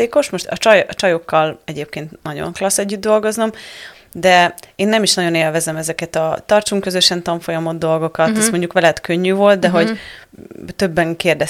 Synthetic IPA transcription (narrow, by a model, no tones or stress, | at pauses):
eːko̞ʃmo̞ʃt̪ɒ̰t͡ʃɒjt͡ʃɒjo̞kːɒlɛɟeːp̚keːnt̪nɒɟo̰ŋklɒsɛɟːyd̪ːo̞lɡo̞znɒm | d̪ɛeːnːɛmiʃnɒɟo̞neːlvɛzɛmɛzɛkɛt̪ɒt̪ɒrt͡ʃuŋkːø̞zøʃɛnt̪ɒɱfo̞jɒmo̞d̪d̪o̞lɡo̞kɒt̪ːɛsmo̞ɲɟukʋɛlɛt̪køɲːyːvo̞lt̪̚d̪ɛɦo̞ɟ | t̪ø̞bːɛŋkeːrd̪ɛ